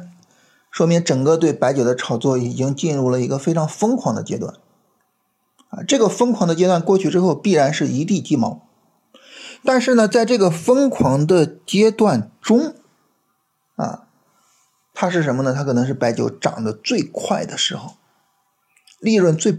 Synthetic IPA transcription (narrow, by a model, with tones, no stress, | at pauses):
ʂwɔ˥mi˧˥ŋʈ͡ʂɤ˨˩ŋkə˥˧t̪we˥˩ɪpa˧˥ɪt͡ɕjo˨˩ʊd̪ə˦ʈ͡ʂʰɑ˨˩ʊt͡swɔ˥˩i˨˩t͡ɕi˥ŋt͡ɕi˥˧nɻu˥˩lə˩i˧˥ɡə˧fe˥ɪʈ͡ʂʰɑ˧˥ŋfɤ˥ŋkʰwɑ˧˥ŋd̪ə̰˧t͡ɕjɛ̰˥t̪wa̰˥˩n | ɐ̰˧ʈ͡ʂɤ˥˩ɡə˩fə˥ŋkʰwɑ˧˥ŋd̪ə˧t͡ɕjɛ˥t̪wa˥˧nkwɔ˥˩t͡ɕʰy˥˩ʈ͡ʂɻ̩˥xo˥˧ʊpi˥˩ɻa˧˥nʂɻ̩˥˩i˧˥t̪i˥˩t̪i˥˩mɑ˧˥ʊ | t̪a˥˧nʂɻ̩˥˩nə˩t͡sa˥˧ɪʈ͡ʂɤ˥˩ɡə˩fɤ˥ŋkʰwɑ˧˥ŋd̪ə˧t͡ɕjɛ˥t̪wa˥˩nʈ͡ʂʊ˥ŋ | ɐ̰˧˩ | t̪ʰa˥ʂ̬ɻ̩˥˩ʂ̬ə˧˥nmə˧nə˧t̪ʰa˥kʰɤ˨˩ɤ˧˥ŋʂɻ̩˥˩pa˧˥ɪt͡ɕjo˧˥ʊʈ͡ʂɑ̰˨˩ŋd̪ə˦t͡swe˥˧ɪkʰwa˥˩ɪd̪ə˩ʂɻ̩˧˥xo˥˩ʊ | li˥˧ɻwə˥˧nt͡swe˥˩ɪ